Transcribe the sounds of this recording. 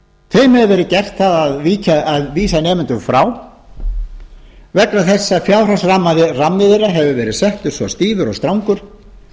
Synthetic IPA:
t̪ʰeːjmɛðvɛɾɪðcɛr̥t̪θaðaðviːcaaðviːsanɛːmɪnt̪ʏɣfɾaːw | vɛknaθɛsːafjaːwr̥asramːaðɪramːɪðɪɾaɦɛvʏvɛːɾɪðsɛht̪ʏɾ̥svɔst̪iːvʏɾɔst̪ɾawŋkʏɾ̥

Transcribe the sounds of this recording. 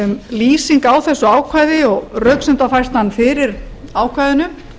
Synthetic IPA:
liːsiŋkawθɛsːʏaːwkʰvajðɪɔɣrœɥksɛnt̪afajrst̪hanːfɪɾɪɾaːwkʰvajðɪnʏm

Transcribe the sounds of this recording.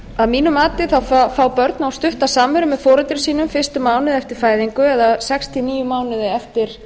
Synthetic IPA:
aðmiːnʏmaːt̪ɪθawfafaːwpœɾt̪nawst̪ʏht̪asaːmʏɾʏmːɛfɔːɾʏt̪ɾɪsiːnʏmfɪ̥st̪ʏmaːwnɪðɛft̪ɪɾ̥faːjðiŋkʏɛðasɛkst̪ʰiniːjʏmaːwnɪðɪɛft̪ɪɾ̥

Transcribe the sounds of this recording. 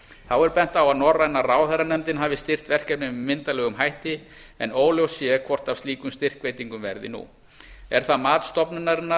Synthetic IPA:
θawɛɾpɛn̥t̪awaðnɔrːaɛnːaraːwθɛɾanɛmt̪ɪnɦaːvɪst̪ɪr̥t̪vɛr̥cɛpnɪɪmːɪnt̪alɛːɣʏmɦajht̪ɪ | ɛnoːwljowsːjɛkʰvɔr̥t̪avst̪iːkʏmst̪ɪr̥kveːjt̪iŋkʏmvɛ̰ɾðɪ̰nṵ | ɛɾ̥θamaːt̪st̪ɔpnʏnaɾɪnːa

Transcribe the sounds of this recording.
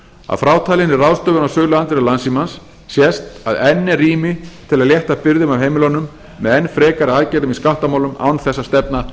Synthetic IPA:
a̰ðfɾaːwt̪ʰaːjlɪnːɪraːwst̪œːvʏnawsœːɣlʏant̪ɪɾɪlansimansː | jɛst̪aðɛnːɛriːmɪt̪ʰɪlaðljɛht̪apɪɾðʏmavɦeːjmɪlɔnʏmː | ɛðɛnːfɾɛːkaɾɪaːcɛɾðʏmiskawt̪amaːwlʏmʔa̰ːwnθɛsːast̪ɛpna

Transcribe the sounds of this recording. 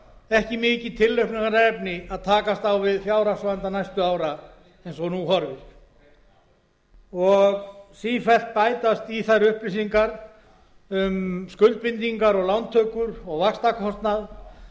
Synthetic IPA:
ɛhcɪmɪːcɪt̪ʰɪlːœɥhkpnaɣaɾaɛpnɪaðt̪ʰaːkast̪awvɪðfjaːwɾasvaɛnt̪anajst̪ʏaːwɾa | ɛjnsɔnuhɔɾvɪ̥ | ɔɣsiːfɛl̥t̪̚paːjt̪ast̪iθaɾʏhplɪsiŋkaɾ | ʏmskʏlt̪̚pɪnt̪iŋkaɾɔɣlawnt̪ʰœːkʏɾɔɣvakst̪akʰɔst̪nað

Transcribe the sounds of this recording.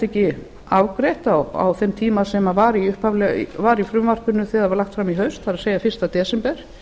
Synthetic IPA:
t̪ɛhcɪ | aːwkɾejht̪awa̰wθɛmt̪ʰiːmasɛmavaɾiʏhphavlɛ̰vaɾifɾʏmvar̥kʏnːʏθɛːðavaɾlaxt̪fɾamiɦœɥst̪θaɾaseːjafɪr̥st̪at̪ɛːsɪmpɛɾ̥

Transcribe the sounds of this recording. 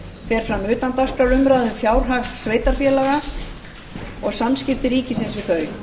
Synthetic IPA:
fɛːɾ̥fɾamʏːt̪ant̪ar̥kaɾʏmɾaðʏmfjaːwɾ̥ɦaksveːjt̪aɾ̥fjɛːlaɣa | ɔɣsamscɪft̪ɪɾiːcɪsɪnsvɪðθœɾɥ

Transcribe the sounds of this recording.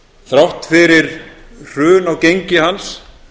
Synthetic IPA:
θɾawht̪fɪɾɪɾ̥r̥ʏːnawcejɲcɪɦans

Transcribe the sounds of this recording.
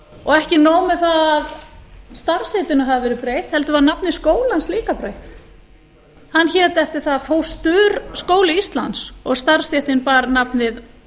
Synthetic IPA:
ɔɣɛhcɪnoːwmʏθaðaðst̪aɾ̥sɪt̪ʏnʏɦavɪvɛːɾɪpɾejht̪hɛlt̪ʏvaːɾnapnɪðskoːwlansliːkapɾejht̪ | hanːçɛːt̪ɛft̪ɪɾ̥θaðfoːwst̪ʏːɾskoːwlɪist̪la̰nt̪sɔɣst̪ar̥st̪jɛht̪ɪnpaːɾnapnɪð

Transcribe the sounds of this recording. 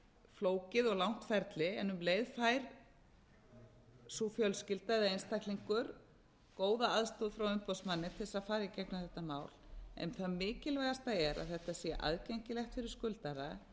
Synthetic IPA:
floːwcɪðɔɣlawn̥t̪fɛɾt̪lɪɛnʏmleːjðfaːjɾ̥ | sufjœlscɪlt̪ajðaejnst̪ajkliŋkʏɾ | koːwðaaðst̪uːðfɾawʏmpɔsmanːɪt̪ʰɪlsaðfaːɾacɛknʏθɛht̪ːamaːwlɛ̰nθaðmɪːcɪlvajɣðast̪aɛɾaðθɛht̪asjɛʔa̰ðcɛjɲcɪlɛxt̪fɪɾɪɾ̥skʏlt̪aɾa

